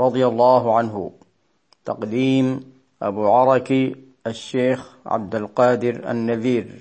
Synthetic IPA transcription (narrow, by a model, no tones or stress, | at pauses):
ɾˤɑd̪ˤɨjalːaːɦʕanɦʊ̰ | t̪ɑqd̪iːm | ʔa̰buːʕɑɾˤɑki | ʔaʃːeːxʕa̰b̚d̪alqɑːd̪ɪɾʔa̰nːaðiːɾ